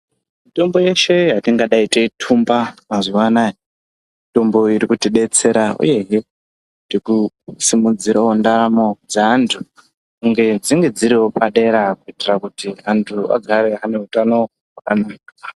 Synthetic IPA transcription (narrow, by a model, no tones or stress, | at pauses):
mito̞mbo̞je̞ʃe̞ɦatiŋɡaɗaitetʰumbamaziwanaji | ito̞mbo̞iɾikutiɗe̞t͡se̞ɾaṵje̞ɦe | diku | simud͡ziɾawondaɾamo̞d͡zaɦantʰu | kuŋɡe̞d͡ziŋɡe̞d͡ziɾiwo̞paɗe̞ɾakuitirakutiɦantʰua̰ɡʱaɾe̞ɦane̞ɦutano̞ | ɦwakanaːka